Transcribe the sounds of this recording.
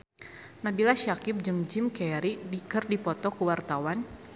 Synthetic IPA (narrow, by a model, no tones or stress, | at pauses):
nabilaʃakɪp̚d͡ʒɨŋd͡ʒɪmkɛɾiikɨrdipɔt̪ɔkuwart̪awan